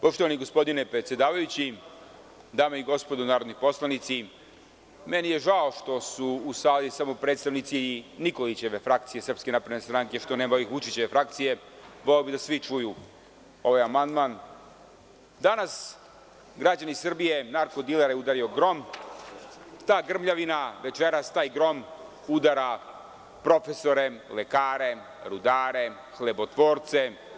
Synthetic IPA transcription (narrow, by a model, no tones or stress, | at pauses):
poʃt̪o̞ʋaniɡo̞spo̞d̪inepɾe̞t̪sje̞d̪aːʋajut͡ɕi | d̪aːmaiɡo̞spod̪onaːɾo̞d̪nipo̞slˠanit̪si | me̞nije̞ʒao̞ʃt̪o̞suːsaːlisamo̞pɾe̞ːt̪st̪aʋnit̪siniko̞lit͡ɕe̞ʋe̞fɾakt̪sije̞sr̩pske̞napɾed̪nest̪ɾaŋke̞ʃt̪one̞ːmaoixʋut͡ʃit͡ɕeʋe̞fɾakt̪sije̞ | ʋoleobid̪asʋit͡ʂuju | o̞ʋajamand̪man | d̪anas | ɡɾad͡ʑanisr̩bije̞naɾkod̪ileɾajeud̪aɾio̞ɡɾo̞m | t̪aːɡr̩mʎaʋinaʋe̞t͡ʃeɾast̪aːjɡɾo̞m | ud̪aɾa | pɾo̞fe̞so̞ɾe̞lekaːɾe̞ | ɾud̪aːɾe̞ | xlebot̪ʋo̞ːɾt̪se̞